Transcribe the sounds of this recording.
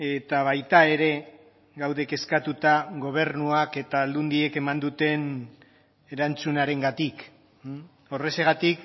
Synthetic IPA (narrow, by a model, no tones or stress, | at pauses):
e̞t̪aβ̞ajt̪ae̞ɾe̞ | ɡawðe̞ke̞skat̪ut̪aɣo̞β̞e̞ɾnuake̞t̪aːld̪und̪ie̞ke̞mand̪ut̪e̞n | e̞ɾant͡sunaɾe̞ŋɡat̪ik | o̞re̞seɣ̞at̪ik